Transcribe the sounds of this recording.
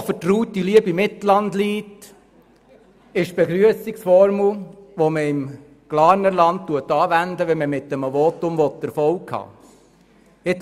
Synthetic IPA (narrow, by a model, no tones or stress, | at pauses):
fətruːtiliəbimɪt̪l̩ɑndliːt | ɪʃb̥eɡɾyəsiksfɔɾmlʋoməɪm | ɡ̥lɑːnəɾlɑnt̚tuətːɑːʋænd̪əʋɛməmɪtːəməʋɔːtʊmʋɔt̪ːəɾfɔlkhɑ̰ː | ɪt